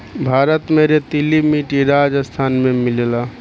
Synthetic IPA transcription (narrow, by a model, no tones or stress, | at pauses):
bʱaːɾət̪meɾet̪ilimiʈiɾad͡ʒəst̪ʰaːnmemilela